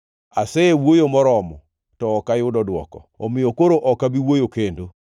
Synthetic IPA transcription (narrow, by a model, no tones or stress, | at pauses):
asɛewojomɔɾɔmɔ | tɔːkajʊdɔdwɔ̰kɔomɪjokoɾoʔɔkabiwojokendo